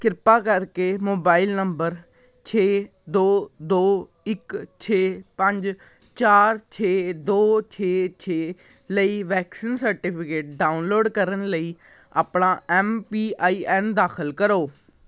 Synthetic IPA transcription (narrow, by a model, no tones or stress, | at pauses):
kɪɾpaːkəɾkeːmoːbaːɪlnəmbəɾ | t͡ʃʰeː | d̪oːd̪oː | ɪkt͡ʃʰeːpə̃ɲd͡ʒ | t͡ʃaːɾt͡ʃʰeːd̪oːt͡ʃʰeːt͡ʃʰeː | ləiːʋɛːksiːnsəɾʈɪpʰɪkeːʈ̚ɖaːʊnloːɖkəɾənləiː | a̰ːpɳaːɛːmpiːaːiːʔɛːnd̪aːkʰəlkəɾoː